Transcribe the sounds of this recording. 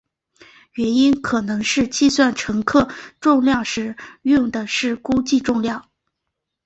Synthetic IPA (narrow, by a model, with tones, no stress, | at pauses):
ɥɛ˧˥ni˥nkʰɤ˨˩nɤ˧˥ŋʂɻ̩˥˧t͡ɕi˥˧swa˥˩nʈ͡ʂʰɤ˧˥ŋkʰɤ˥˧ʈ͡ʂʊ˥˧ŋljɑ˥˩ŋʂɻ̩˧˥jʊ˥˩ŋd̪ə˩ʂɻ̩˥˩ku˥t͡ɕi˥˧ʈ͡ʂʊ˥˧ŋljɑ˥˩ŋ